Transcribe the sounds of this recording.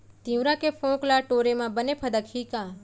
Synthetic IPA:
t̪ĩwɾakepʰõːklaːʈoːɾemãbənepʰəd̪əkhiːkaː

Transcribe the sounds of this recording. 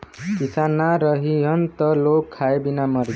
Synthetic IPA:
kisanːaɾʌɦiɦʌnt̪ʌlokʰːaebinamʌɾ

